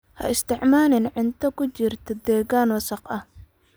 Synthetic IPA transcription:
hɐ̰ɪst̪ʰɪʕmaːlɪnʕɪnt̪ʰɐkʰʊt͡ʃɪrt̪ʰɔd̪ɛːɣaːnwɐsɑqɐh

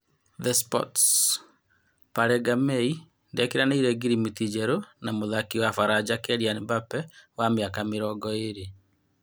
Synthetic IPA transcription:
ðɛspɔ̰ts | paɾɛɡamɛi | ndɛkeɾanaiɾɛɡiɾimitid͡ʒɛɾonamoðakiwafaɾad͡ʒakɛɾianbapɛwamjakamiɾɔɡɔeɾe

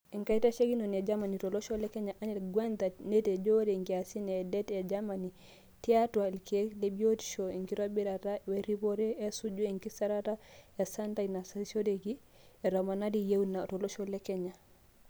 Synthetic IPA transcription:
ɛŋkaitaʃeɡinɔnɛd͡ʒamanitɔlɔʃɔlɛkɛɲaʔanɛlɡwɛnd̪anetɛd͡ʒoɾɛŋɡiasinɛːdɛtɛd͡ʒamani | tiatwaɛlkɛlebioti̥ʃɔiŋkiɾobiɾatawɛɾiboɾɛɛsud͡ʒuɛŋkisaɾataɛsantanasasodeɡi | ɛɾɔmanadijewnatɔlɔʃɔlɛkɛɲa

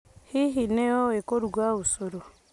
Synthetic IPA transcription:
hiɦineoekoɾuɡwaβusoɾo

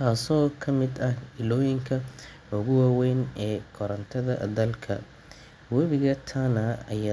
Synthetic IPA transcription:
kʰaːsɔːkʰɐmɪd̪ɐhɪlɔːjɪŋkʰɐ | ʊɣʊwaːwɛjnɛːkʰɔɾɐnt̪ʰɐðɐ̰d̪ɐlkʰɐ̰ | wɐβɪɣɐt̪ʰanɐɐja

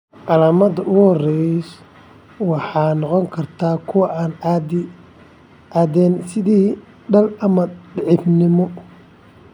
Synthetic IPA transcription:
ʕɑlaːmɐðɐʔʊɣhɔrɛjs | wɑħɑːnɔqɔŋkʰɐrt̪ʰaːkʰʊwɑʔaːn | ʔaːd̪ɛːnsɪðiː | ɖɐlɐmɐɖɪʕɪfnɪmɔ

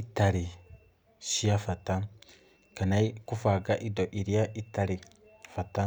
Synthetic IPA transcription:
itaɾi | ʃiafata | kanaikufaɡaʔidoʔiɾiaʔitaɾi | fata

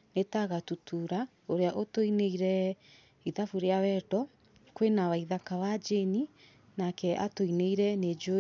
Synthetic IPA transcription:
netaɣatutʰuɾa | oɾeaʔotoineiɾɛ | iðafuɾeawɛdɔ | kwenawaiðakawad͡ʒeni | nakɛʔa̰toineiɾɛned͡ʒo

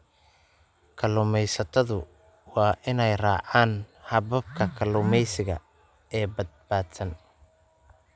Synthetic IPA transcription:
kʰɐlʊmɛjsɐt̪ʰɐðʊ | wɑːʔɪnɛjraːʕaːnhɐβɐb̚kʰɐkʰɐlʊmɛjsɪɣɐ̰ | ɛːbɐd̪̚baːd̪sɐn

